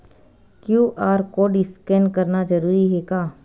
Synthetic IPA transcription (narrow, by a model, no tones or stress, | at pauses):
kjuːʔaːɾkoːɖɪskɛnkɐɾnad͡ʒɐɾuːɾiɦɛkaː